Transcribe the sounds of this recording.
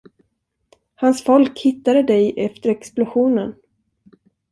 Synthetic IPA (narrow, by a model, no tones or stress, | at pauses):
hansfɔlkhɪt̪ːad̪əd̪ɛjʔɛft̪əɾɛksplʊɧuːnən